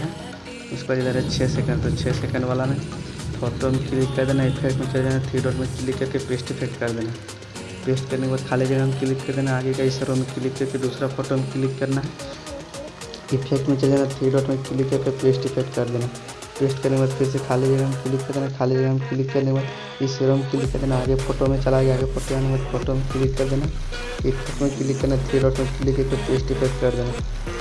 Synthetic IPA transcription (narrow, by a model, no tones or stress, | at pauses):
ɦɛ | ʊskad͡ʒed̪aɾɛt͡ʃʰɛsɛkə̃ɳɖt̪ot͡ʃʰɛsɛkə̃ɳɖʋaːlanefʰɔːʈomkɪlikːɐɾd̪eːnaɪpʰekʈmẽt͡ʃɐld͡ʒaːnaʈʰɾiɖɔːʈmẽkɪlikːəɾkepeːsʈɪpʰek̚ʈkɐɾd̪eːnaɦ | peːsʈkɐɾnekbaːd̪̚kʰaːlid͡ʒɐɡamkɪlɪkːɐɾd̪eːnaaːɡekaisəɾomẽkɪlɪkːɐɾked̪uːsɾapʰɔːʈomkɪlɪkːɐɾnaɦɛ | ipʰekʈmẽt͡ʃəld͡ʒenat̪ʰɾiːɖɔʈmẽkilikːəɾkepeːsʈipʰek̚ʈkɐɾd̪eːna | peːsʈkɐɾnẽbad̪pʰɪɾs̬ekʰaːliɡeɡamkilikːɐɾd̪enakʰaːlid͡ʒɐɡamkɪlikːɐɾnekbad̪ | iseɾomkɪlikːɐɾd̪enaːɡepʰoːʈomẽt͡ʃɐlaɡeaːɡepʰoʈojaːnebad̪pʰoːʈomekɪlikːɐɾd̪ena | ipʰekʈmẽkɪlikːɐɾnat̪ʰɾiɖɔːʈmẽkilikːəɾkepeːsʈɪpʰekʈkɐɾd̪eːna